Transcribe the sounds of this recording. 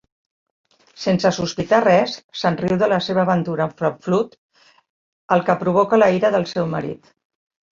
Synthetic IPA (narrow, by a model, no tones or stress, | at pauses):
sensəsuspit̪arɛsːənriwðələseβ̞əːβənt̪uɾəɱfɾəflut̪ | əlˠkəpɾuβɔkələiɾəðəlˠsɛwmə̰ɾḭt̪